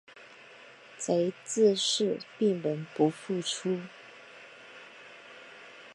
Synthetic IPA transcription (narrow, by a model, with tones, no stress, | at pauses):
t͡sa˧˥ɪt͡sɹ̩˥˧ʂɻ̩˥˩pi˥˩ŋmə˧˥npu˧˥fu˥˩ʈ͡ʂʰu˥